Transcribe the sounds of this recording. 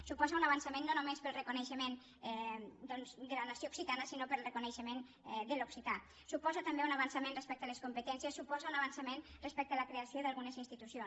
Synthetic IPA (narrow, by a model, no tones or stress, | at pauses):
supɔzaunaβansamẽnːonumespəlˠrəkuneʃəmen | ɛd̪ɔnzd̪əlanasjouksit̪anəsinopəɾlˠrekuneʃəmen | ɛd̪əloksit̪a | supɔzat̪ambeunaβansamẽnrespɛk̚t̪aleskumpət̪ɛnsjəsːupɔzaunaβansamenrespɛk̚t̪əalakɾeasjoðalˠɣunəzinst̪it̪usjons